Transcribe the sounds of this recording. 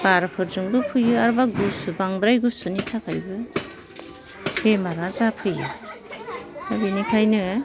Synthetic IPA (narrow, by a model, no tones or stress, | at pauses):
b̥aɾpʰɯɾzɯŋbɯpʰɯjɯaɾbaɡusubaŋd̪ɾajɡusɯnitʰakʰajbɯ | bemaɾazapʰɯjɯ̰ | dabinikʰajnɯ